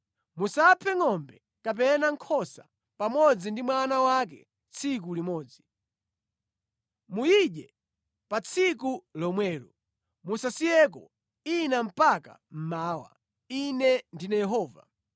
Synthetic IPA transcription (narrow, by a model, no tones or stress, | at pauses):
musapʰɛŋɔmbɛ | kap̬ɛnaŋ̩kʰɔsa̰ | pamɔd͡zindimwanawakɛ̰ | t͡sʰik̬ulimɔːd͡zi | mujiɗɛ | pat͡sʰik̬ulɔmwɛːɾɔ | musasijɛk̬ɔ̰ | inam̩paka̰m̩maːwa̰ | inɛndinɛjɛɦɔːva̰